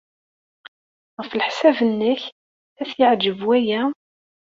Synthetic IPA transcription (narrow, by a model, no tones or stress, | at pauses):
ʁəflħsævənːəç | æθjəʕd͡ʒəvwæjæ